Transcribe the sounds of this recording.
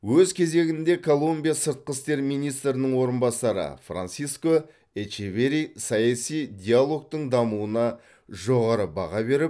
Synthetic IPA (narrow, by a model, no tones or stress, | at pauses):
wɵzkʲʰe̞ze̞ɡʲɪnd̪e̞kʰo̞lˠumbʲijasəɾt̪̚qəst̪e̞ɾmijnijst̪ɾɪnəɴwo̞ɾənbɑsɑɾə̰fra̰nsijsko̞ | et͡ʃeveɾisɑjɑsijd̪ʲialˠo̞k̚t̪əɴd̪ɑmuənɑ | ʒo̞ʁɑɾəbɑʁɑbe̞ɾɪp̚